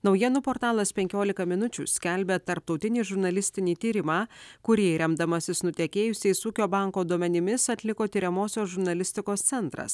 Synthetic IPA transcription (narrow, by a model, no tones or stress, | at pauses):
nɒʊjiɛnʊpoːɾt̪ɑːlˠɐspʲɛŋʲkʲoːlʲɪkɐmʲɪnʊt͡ʃʲṵsʲkʲɛlʲbʲet̪ɐɾp̚t̪ɒʊt̪ʲɪnʲiːʒʊɾnɐlʲɪsʲt̪ʲɪnʲiːt̪ʲiːɾʲɪmɑːkʊɾʲiːɾʲɛmd̪ɐmɐsʲɪsnʊt̪ʲiɛkʲeːjʊsʲeɪsuːkʲoːbɑˑŋkoːd̪uɔmʲɛnʲɪmʲɪsɐt̪ʲlʲɪkoːt̪ʲiːɾʲɛmoːsʲoːsʒʊɾnɐlʲɪsʲt̪ʲɪkoːst̪sʲɛnt̪ɾɐ̰s